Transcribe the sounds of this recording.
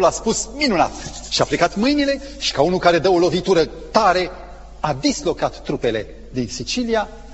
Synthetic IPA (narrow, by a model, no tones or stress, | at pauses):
laspusminuna̰t̪ | ʃiaplekat̪mɨjnile̞ | ʃi̥kaunukaɾe̞d̪əolo̞vit̪uɾə | t̪aɾe̞ | ad̪islo̞kat̪ːɾupe̞le̞ | d̪insit͡ʃilia